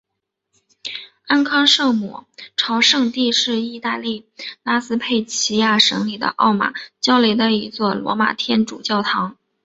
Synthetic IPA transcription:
a˥˧nkʰɑ˥ŋʂɤ˥˩mṵ˨˩ʈ͡ʂʰɑ˧˥ʊʂɤ˥˧ŋt̪i˥˧ʂɻ̩˥˧i˥˧t̪a˥˧li˥˩la˥sɹ̩˥pʰe˥˩ɪt͡ɕʰi˧˥ja˥˩ʂɤ̰˧˥ŋli˨˩d̪ə̰˦ʔɑ˥˩ʊma̰˨˩t͡ɕjɑ˥ʊle˧˥ɪd̪ə˧i˧˥t͡swɔ˥˩lwɔ̰˧˥ma̰˨˩t̪ʰjɛ˥nʈ͡ʂṵ˨˩t͡ɕjɑ˥˩ʊt̪ʰɑ˧˥ŋ

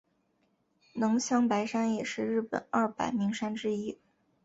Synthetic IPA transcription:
nɤ˧˥ŋɕjɑ˥˩ŋpa˧˥ɪʂa˥njɛ˨˩ʂɻ̩˥˧ɻɻ̩˥˩pə̰˨˩˦nɐ˥˩pa̰˨˩ɪmi˧˥ŋʂa˥nʈ͡ʂɻ̩˥i˥

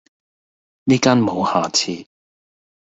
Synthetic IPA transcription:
niː˥kaː˥nmo˨˧whaː˨t͡sʰiː˧

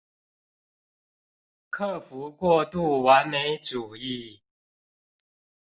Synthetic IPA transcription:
kʰɤ˥˨fu˨˦kwɔ˥˧t̪u˥˩˨wa˨˦nme˧˦ɪʈ͡ʂu˨˩i˥˨

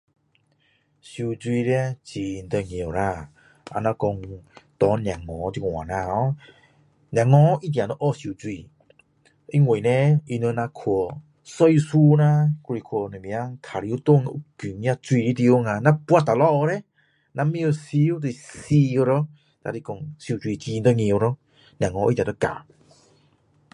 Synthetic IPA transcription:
si˧d͡zu˧i˧ɾi˧a˦t͡ɕi˧n˧t̪ə˧ŋe˨o˨ɾa˧˨ | a̰˧na˧kɔ˧ŋt̪ɔ˨˦ɲ˧a˨ŋɔ̃˨˦di˧ŋʷ˨a̰˨nã˧ɔ˧˦ | ɲa˨ŋɔ̃˧˦ʔi˦d̪ã˨nə˧˦ʔɔ˦˧˨si˧u˨˧d͡zwi˧ | i˦ŋwe˨nɛ˧i˧nə˧nã˧kʰɔ˨˧˨ | sɔ˧jsu˧nã˧˦ku˧ɾi˧˨kʰɔ˧˨nẽ˨m̃˧a˦ŋt̪ʰa˨ɾi˧˦u˦t̪o˧˨ŋ˧ʔu˦ku˨˩ŋ˧˦ã˧t͡swi˧i˧t̪i˧o˧˦ŋã˧nã˦pwa˧t̪a˨lɔ˦ʔɔ˧ɾe˦ | nã˧mĩ˦o˧si˧u˦t̪e˧˨si˧o˧ɾɔ˦ | t̪a̰˧ɾi˧kɔ˧˨ŋsu˧˨t͡si˧˨t͡ɕi˧nt̪ɔ˦˧ŋĩ˧o˧ɾɔ˦ | nʲjã˨ŋɔ̃˧˦ʔi˧˦t̪ʲjã˨ɔ˧˦ka̰˨

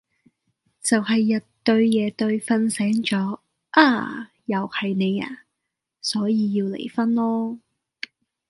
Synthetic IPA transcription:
t͡sɐ˨whɐ˨jːɐ˨tt̪ɵ˧ɥjɛː˨˧t̪ɵ˧ɥfɐ˧˥nsɛː˨˥ŋt͡ʃɔː˨˥ | ʔaː˧ | jɐ˨whɐ˨jne˨˧ja̰ː˧˥ | sɔː˨˥jiː˨˧jiː˧wlḛ˨˩jfɐ˥nlɔː˥

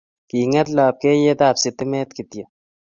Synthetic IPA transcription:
kiː˨ŋɐ˦t̪la˨p̚ke˦je˦t̪aː˦˨psɪt̪ɪ˦mɛː˦t̪kɪ˨t̪jɐ

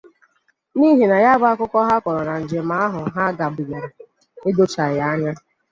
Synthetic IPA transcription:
ni˦ɦi˨na˨ja˦ɡ͡ba˦kʊ˦kʷɔ˦ɦa˦kʷɔ˨ɾɔ˨ɾa˨n̩˨d͡ʒe˨ma˦a˦ɦʊ˨ɦa˦ɡa˨bi˨ɡe˨ɾ | ɪ˦do˦t͡ʃa˨ja˨˦a˦ɲa˦

